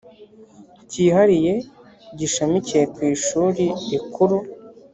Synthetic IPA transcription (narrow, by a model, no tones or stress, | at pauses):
ciːhaɾije̞ | ɟiʃamicijekwiːʃuːɾiːkʰuɾu